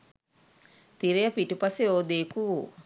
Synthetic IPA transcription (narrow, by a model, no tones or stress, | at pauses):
t̪iɾejəpiʈupaseoːd̪eːkuʋṵː